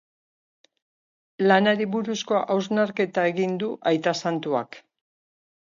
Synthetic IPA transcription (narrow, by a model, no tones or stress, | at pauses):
lanaɾiβuɾuskoʔawznaɾke̞t̪ae̞ɣind̪uʔajt̪asant̪ua̰k